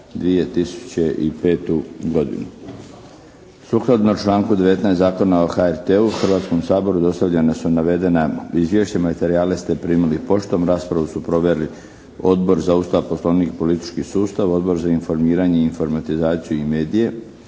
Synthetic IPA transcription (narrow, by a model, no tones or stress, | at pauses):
d̪ʋije̞t̪isu̥t͡ɕeʔipe̞ːt̪uɡo̞d̪ḭnu | suklad̪not͡ʃlˠaːŋkud̪e̞ʋe̞t̪naest̪zaːko̞naoxaeɾt̪euxrʋaːt̪sko̞msaːbo̞ɾud̪o̞st̪aʋʎenasunaʋe̞d̪enaizʋje̞ʃt͡ɕamat̪e̞ɾiaːlest̪e̞pɾiːmilipo̞ʃt̪o̞mɾaːspɾaʋusupɾo̞ʋeɾli | o̞d̪bo̞ɾzaust̪aʋposlˠo̞ʋnikpo̞lit̪i̥t͡ʃkisuːst̪aʋo̞d̪bo̞ɾzainfo̞ɾmiːɾaɲe̞iinfo̞ɾmat̪izaːt̪sijuime̞ːd̪ije̞